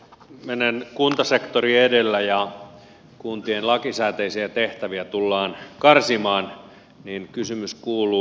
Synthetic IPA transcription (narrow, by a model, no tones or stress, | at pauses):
menenkunt̪ɑsekt̪oriedelːæjɑ | kunt̪ienlɑkisæːt̪eisiæt̪eht̪æʋiæt̪ulːɑːnkɑrsimɑːn | ninkysymyskuːluː